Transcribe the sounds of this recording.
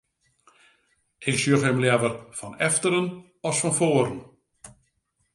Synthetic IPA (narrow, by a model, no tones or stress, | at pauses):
ʔɪksyøəχhɛmlɛvərfɔnɛftəɾən | ɔsfɔnfoːɾən̩